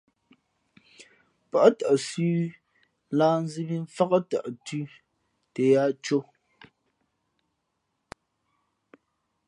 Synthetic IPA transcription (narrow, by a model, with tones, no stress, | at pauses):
pa˨ʔta˨ʔsʉː˦ | laː˦n̩˦zi˦bi˦ɱ̩˦fa˦ɣa˦ta̰˨ʔtʉ˦ | te˨ja˦t͡ʃo˦